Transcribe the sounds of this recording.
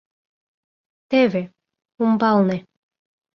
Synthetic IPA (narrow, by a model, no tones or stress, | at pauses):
t̪eβe | umbɑlnĕ